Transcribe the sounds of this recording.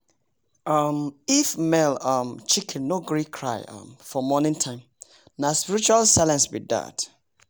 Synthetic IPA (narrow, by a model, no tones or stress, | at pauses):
ʌmifmɛlʌmt͡ʃikʰɛ̃nnoɡɹikʰɹa̰ɪʌ̰mfɔmɔnĩntʰãɪ̃m | naspiɾit͡ʃualsalɛ̃nsbḭda̰t